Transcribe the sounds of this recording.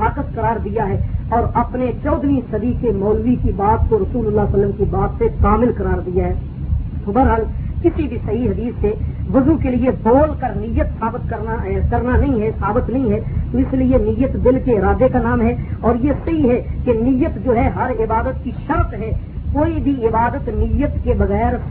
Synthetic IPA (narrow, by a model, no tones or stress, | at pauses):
aːkəskɐɾaːɾd̪ijaɦɛːɔːɾɐpnet͡ʃɔːd̪nisɐd̪ʱikemɔːlʋikibaːt̪koɾɐsuːləlːasɐlːəmkibaːt̪sekaːmɪlkɐɾaːɾd̪ijaɦɛː | t̪obɐɾɦaːlkɪsibʱisɐɦiɦɐd̪iːsːeʋɐzukelieboːlkəɾnɪjːət̪saːbɪt̪kɐɾnaɦkɐɾnanɐɦĩɦɛsaːbɪt̪nɐɦĩɦɛt̪oɪslienɪjːət̪d̪ɪlkeɪɾaːd̪ekanaːmɦɛɔːɾjesɐɦiɦɛkenɪjːət̪d͡ʒoːɦɛɦɐɾɪbaːd̪ət̪̚kiʃɐɾt̪ɦɛ | koːibʱiɪbaːd̪ət̪nɪjət̪kebɐɣɛːɾ